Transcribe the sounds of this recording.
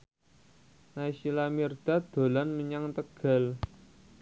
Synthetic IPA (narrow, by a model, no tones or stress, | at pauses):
naisilamird̪̥a̤d̪̥o̤lanməɲaŋt̪əɡ̥a̤l